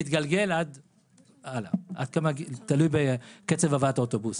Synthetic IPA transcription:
it̪ɡalɡelad̪ | alaʔa̰d̪̚kamaɡt̪alujbeket͡sevavat̪aot̪obus

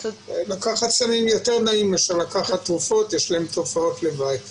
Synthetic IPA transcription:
lakaχatsanimjo̞te̞ʁnaimjeʃalakaχat̪ːʁufo̞t̪jɛʃlaemt̪ufao̞t̪lebajt

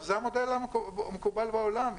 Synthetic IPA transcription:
zeamod̪elamekubalbeolam

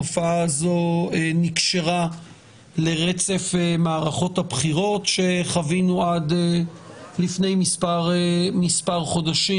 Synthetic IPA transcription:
ofaazo̞enikʃeʁa | le̞ʁet͡se̞femaːʁaχo̞thapχiʁo̞tʃe̞χavinuade | lifne̞jmispaʁmispaʁχo̞daʃi

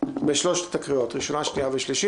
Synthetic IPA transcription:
beʃloʃtt̪akʁiot̪ʁiʃo̞naʃniaveʃliʃi

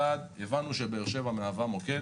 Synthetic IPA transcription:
ad̪jevanuʃebeeʁʃevameavamo̞ke

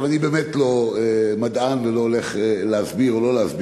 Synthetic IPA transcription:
vanibeːmetlomad̪anvelooleχeleazbiʁolo̞leazb

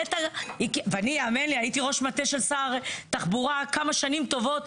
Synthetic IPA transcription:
t̪aikveanijeamenliajitiʁo̞ʃmat̪eʃelsaʁt̪aχbuʁakamaʃanimt̪o̞vo̞t̪

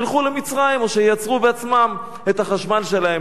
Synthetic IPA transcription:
lχulemit͡sʁaimo̞ʃejat͡sʁubeat͡smam | e̞t̪haχaʃmalʃe̞lahe

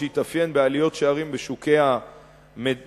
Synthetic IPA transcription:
it̪afje̞nbealijo̞tʃeaʁimbeʃuke̞ha | me

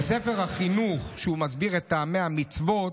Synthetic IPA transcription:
se̞fe̞ʁhaχinuχʃumazbiʁet̪ːaːmeamit͡svo̞t

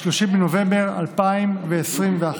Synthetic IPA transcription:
loʃimbenovembeʁa̰lpaimveːsʁimvea

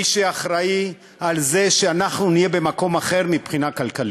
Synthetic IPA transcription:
iʃeaχʁai | alze̞ʃeanaχnunijebe̞mako̞maχe̞ʁmipχinakalkali

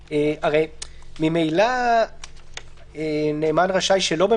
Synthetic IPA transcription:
eaʁejmimejla | eneːmanʁaʃajʃelo̞be

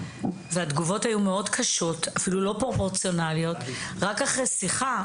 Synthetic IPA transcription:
vead̪ɡuvo̞thajumeo̞dkʰaʃo̞tafilulo̞pʁo̞po̞ʁt͡sjo̞nalio̞tʁakaχʁejsiχa

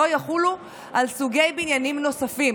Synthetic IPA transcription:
ojaχulu | ʔalsuɡe̞jbinjanimno̞safim

